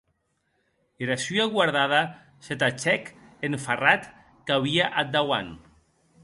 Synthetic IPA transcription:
eɾasyaɣwaɾðað̞a | set̪at͡ʃɛkenfarat̪ | kaβiaʔad̪awa̰n

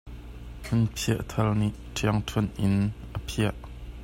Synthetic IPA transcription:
hʰunpʰiəʔt̪ʰɐlniʔtʰiɐŋt̪ʰunʔɪnʔəpʰiəʔ

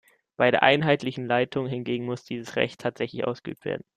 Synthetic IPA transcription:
b̥aɪdɾeːɐʔa̰ɪnɦaɪtlɪçn̩laɪtʰʊŋɦɪnɡeːɡŋ̩mʊsd̥iːzəsʁɛ̰çtʰaːtz̥ɛçlɪçʔa̰ʊsɡ̥əʔy̰ːp̚tv̥ḛːɐdn̩

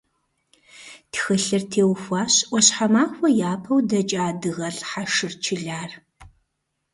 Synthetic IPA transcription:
txɨɬɨrtʰeːwxʷaːɕwʷɔɕħamaːxʷɔjaːpʰɐwdɐt͡ʃʼaːdɨɣɐɬħaʂɨrt͡ʃʰɪɮaːr

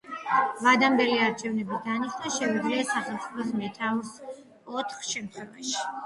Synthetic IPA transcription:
vad̪ambɛliaɾt͡ʃʰɛvnɛbid̪aniʃnaʃɛvid̪ɾiasaχɛlˠt̪sʼipʰɔsmɛt̪ʰaus | ɔt̪ʰχʃɛmt̪ʰχwɛva̰ʃi̥

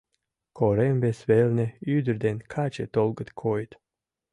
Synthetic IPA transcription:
kʰɔɾɛmbʲesvelʲnʲeyːd̪ɨɾd̪enʲkʰaːt͡ʃet̪ɔlˠɡət̪kʰɔjt̪

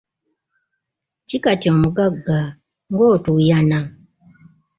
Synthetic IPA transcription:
cikatioːmuɡaɡːa | ŋɡo̞ːtujana

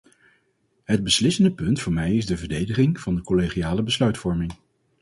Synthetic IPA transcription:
ɦəd̚bəslɪsəndəpɵntfʊːɹmɛjɪzdəvəɹdejdəχɪŋv̥ɑndəkoleχiaːləbəslœɥtfɔɹmɪŋ

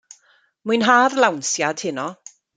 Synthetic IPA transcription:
mujnɦaːrlˠawnsjad̥hɪnɔ

